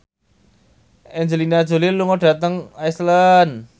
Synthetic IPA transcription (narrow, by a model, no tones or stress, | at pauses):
ʔɛnd͡ʒelinad̥ʒ̥o̤liluŋɔɖ̥a̤t̪əŋajslən